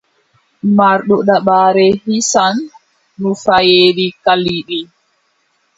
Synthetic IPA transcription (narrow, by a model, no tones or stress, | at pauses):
maɾɗɔɗaɓaːɾɛhisanː | ufajeːɾikaliɗi